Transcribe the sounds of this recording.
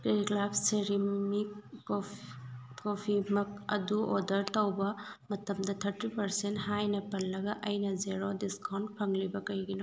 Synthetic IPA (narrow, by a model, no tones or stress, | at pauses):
kɾiɡlapseɾimik | opʰimɐk̚ɐ̰duodɐɾtɐwbɐmɐtɐmdɐtʰɐɾtipɐɾsenthajnɐpɐlːɐɡɐʔɐjnɐzeɾodiskawnpʰɐŋlibɐkɐjɡino